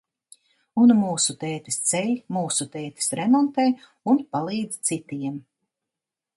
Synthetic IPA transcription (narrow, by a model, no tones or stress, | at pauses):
unmuːsut̪ɛːt̪i̥st̪sɛlʲmuːsut̪ɛːt̪i̥sɾɛmɔnt̪ɛj | unpalˠiːd̪zt̪sit̪iɛm